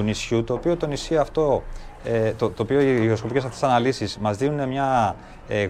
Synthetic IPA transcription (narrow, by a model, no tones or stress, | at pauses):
unisçut̪o̞ːpio̞t̪o̞nisçiɐft̪o̞ | t̪ot̪oːpioiɣɾo̞sko̞pice̞sɐft̪e̞sɐnɐlisizmɐzðinune̞mɲɐ | e